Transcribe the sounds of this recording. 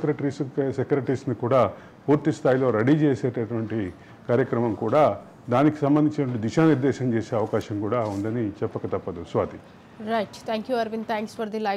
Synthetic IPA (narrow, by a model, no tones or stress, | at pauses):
ekɾeʈɾissekɾeʈisnikuːɽaː | puːɾt̪ist̪ʰaːjilo̞ːɾɐɽit͡ʃeːseːʈɐʈuʋɐɳʈi | kaːɾjɐkɾɐmɐmkuːɽaː | d̪aːniki̥sɐmbɐnd̪iɲt͡ʃinɐɐɳʈid̪iʃaːniɾd̪ɛːʃɐmt͡ʃeːseːɐʋɐkaːʃɐmkuːɽaːund̪ɐnit͡ʃɛpːɐkɐt̪ɐpːɐd̪usʋaːt̪i | ɾɐjʈt̪ʰɛ̃ːŋkjuɐɾʋint̪ʰɛ̃ːŋksfɐɾd̪ilɐ